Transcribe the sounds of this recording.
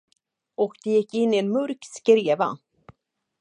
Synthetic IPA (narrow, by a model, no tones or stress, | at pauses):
ɔkd̪ɛjɪkːɪnːɪɛnmɵɾkskɾeːva̰